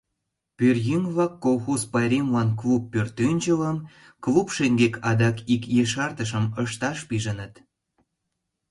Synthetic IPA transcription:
pyrjyŋβɑkːolˠxozpɑjɾʲemlɑnklupːørt̪ynʲt͡ʃələm | klupʃeŋɡekʰɑd̪ɑkikjeʃɑrt̪əʃə̆məʃt̪ɑʃpiʒənət̪

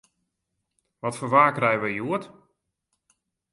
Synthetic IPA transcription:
ʋɔtfərʋaːkrɛjʋəjjuət

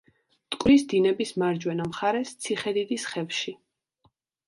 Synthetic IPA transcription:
t̪ʼkʼwɾisd̪inɛbismaɾd͡ʒwɛnamχaɾɛst̪sʰiχɛd̪id̪isχɛvʃi

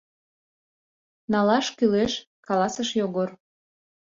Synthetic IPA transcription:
nɑlɑʃkyleʃ | kɑlɑsəʃjoɣor

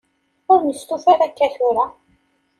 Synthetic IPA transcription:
ʊɾnəst̪uθaɾakːæθʊɾa

